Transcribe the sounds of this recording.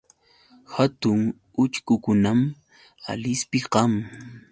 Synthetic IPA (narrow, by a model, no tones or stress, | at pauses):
hat̪ʊŋ | ʊt͡ʃkʊkʊnam | a̰lɪspɪqɑm